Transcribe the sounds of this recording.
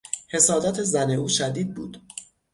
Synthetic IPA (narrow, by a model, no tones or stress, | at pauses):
he̞sɒːd̪æt̪ʰe̞zæne̞uːʃæd̪iːd̪̚buːd̪̥